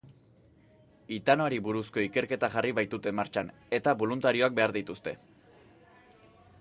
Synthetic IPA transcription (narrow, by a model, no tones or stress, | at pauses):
it̪anoaɾiβuɾusko̞ike̞ɾke̞t̪aʝariβajt̪ut̪e̞mːaɾt͡ʃan | e̞t̪aβo̞lunt̪aɾio̞ak̚be̞aɾðit̪ust̪e̞